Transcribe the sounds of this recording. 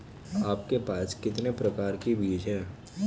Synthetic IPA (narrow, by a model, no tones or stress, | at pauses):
aːp̚kepaːskɪt̪nepɾɐkaːɾkibiːd͡ʒɦɛ̃ː